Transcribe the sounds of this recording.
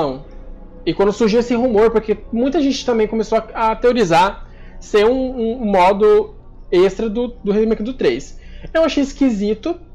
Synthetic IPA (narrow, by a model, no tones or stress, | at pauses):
ɐ̃w̃ | ɪkwɐ̃nd̪ʊsuɾʒiwesɪɦumoɾpoɾkemũj̃t̪ɐʒẽnt͡ʃɪt̪ɐ̃mbẽj̃kõmesoɐɐt̪eoɾizaɾ | sẽũũmɔd̪ʊ | est̪ɾɐd̪ʊd̪ʊɦemejkd̪ʊt̪ɾejsew̃aʃejɪskizit̪ʊ